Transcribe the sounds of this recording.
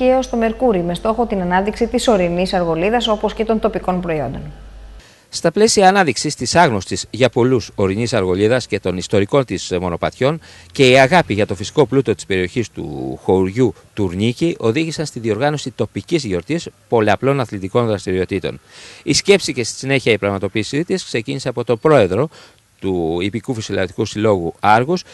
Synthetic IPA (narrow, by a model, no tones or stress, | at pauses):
eost̪o̞me̞ɾkuɾime̞st̪o̞xo̞t̪inɐnɐðiksit̪iso̞ɾinisɐɾɣo̞liðɐso̞po̞sce̞t̪o̞nt̪o̞piko̞npɾo̞io̞̰nd̪o̞n | st̪ɐple̞siɐːnɐðiksist̪isɐɣno̞st̪izʝɐpo̞luso̞ɾinisɐɾɣo̞liðɐsce̞t̪o̞nist̪o̞ɾiko̞nt̪ismo̞no̞pɐt̪ço̞n | ce̞iɐɣɐpiʝɐt̪o̞fisi̥ko̞plut̪o̞t̪i̥spe̞ɾio̞çist̪ṵxo̞uɾʝu | t̪uɾɲiciʔo̞ðiʝisɐnst̪iðio̞ɾɣɐno̞sit̪o̞picizɣio̞ɾt̪ispo̞leɐplo̞nɐθlit̪iko̞nðɾɐst̪iɾio̞t̪it̪o̞̰nisce̞psice̞st̪i̥sine̞çiɐipɾɐɣmɐt̪o̞piːsit̪iskse̞cinise̞ɐpo̞t̪o̞bɾo̞e̞ðɾo̞ | t̪uipikufisolɐt̪i̥kusilo̞ɣuɐɾɣus